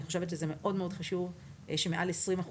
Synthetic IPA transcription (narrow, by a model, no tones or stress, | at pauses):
iχo̞ʃevet̪ʃezemeʔo̞dmeod̥χaʃuv | ʃemeʔalesʁimaχ